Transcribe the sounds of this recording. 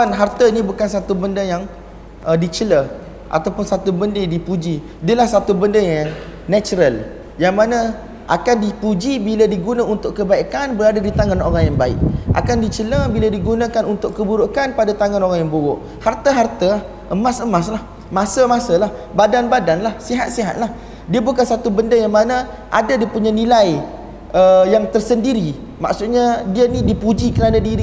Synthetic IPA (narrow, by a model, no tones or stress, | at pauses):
anɦart̪əinibukansat̪ubəndəjaŋ | ədit͡ʃələ | ʔa̰t̪awpʊnsat̪ubəndədipud͡ʒi | dəlahsat̪ubəndəjaŋnat͡ʃuɾəl | jaŋmanã | ʔa̰kandipud͡ʒibiladiɡunãunt̪ʊʔkːəbaikanbəɾadadit̪aŋanoɾaŋjaŋbaɪ̰ʔ̚ʔa̰kandit͡ʃələbiladiɡunãkanunt̪ʊʔkːəbuɾukanpadat̪aŋanoɾaŋjaŋbuɣʊʔ | hart̪aɦart̪ah | ʔəmasəmaslah | mãsəmasəlahbadanbadanlahsiɦat̪̚siɦa̰t̪̚lah | diabukansat̪ubəndəjaŋmana | ʔa̰dadiəpuɲanilaj | əjaŋt̪ərsəndiɾi | ma̰ksut̪̚ɲadianidipud͡ʒikəɾadadiɾi